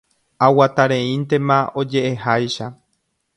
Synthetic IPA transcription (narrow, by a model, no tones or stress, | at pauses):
awat̪aɾẽĩnt̪e̞mão̞d͡ʒe̞ʔehajʃa